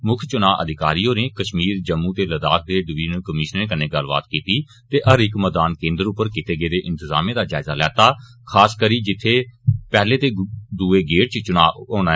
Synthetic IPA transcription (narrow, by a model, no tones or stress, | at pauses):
mʊkʰt͡ʃʊnaːʔəd̪ɪkaːɾiːõːneːkəʃmiːɾd͡ʒəmːũːt̪eːləd̪aːk̚ʰd̪eːɖʋiːnkəmɪːʃneːkəneːɡəlʋa̰ːt̪kiːt̪iː | t̪eːʔəɾɪkmɛːd̪aːnkẽːnd̪əɾʊpːəɾkɪt̪eːɡeːd̪eːʔɪ̃nt̪ɪza̰ːmẽːd̪aːd͡ʒaːɪzaːlɛːt̪aːkʰaːskəɾiːd͡ʒɪt̪ʰːeːpɛːleːt̪eːd̪uːeːɡeːʈ̚t͡ʃt͡ʃʊnaːoːnaː